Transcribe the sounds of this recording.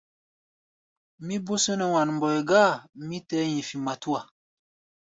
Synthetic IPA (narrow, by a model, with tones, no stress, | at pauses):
mi˦bo˦sə˦nə˨wa˨nm˨bɔ˨ɛ˨ɡaː˦˨mi˦tɛ˦ɲi˨fi˨ma˨tu˦a˨